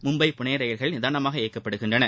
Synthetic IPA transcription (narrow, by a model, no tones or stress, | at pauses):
mʊmbɐɪpʊɳeːɾɐjɐɾɣɐɭnɪðaːnɐmaːɣɐeːkːɐpːɐɽɯɣɪndrɐnɐ